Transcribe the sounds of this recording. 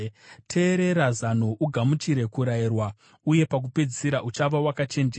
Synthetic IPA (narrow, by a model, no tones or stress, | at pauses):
tʰe̞ːɾe̞ɾazanoʔuɡʱamut͡ʃiɾe̞kuɾairwa | uje̞pak̬upe̞d͡zisiɾaʔut͡ʃaʋawakat͡ʃe̞nd͡ʒ